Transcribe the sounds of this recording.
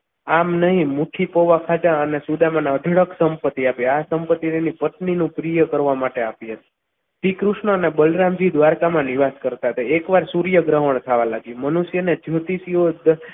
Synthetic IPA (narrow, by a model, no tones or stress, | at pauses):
amnəɦĩmuʈʰipoʋakʰad͡ʒ̪aənesud̪amanaəɖʱəɽəksəmpət̪ːiapiasəmpət̪ːit̪enipət̪ninũpɾijəkəɾʋamaʈeapiɦət̪i̥ | pikɾuʃɳəənebəlɾãmd͡ʒid̪ʋaɾkamãniʋaskəɾt̪aɦət̪aekʋaɾsuɾjəɡɾəɦəɳ̃t̪ʰaʋalaɡjũmənuʃjəned͡ʒʱot̪isiod̪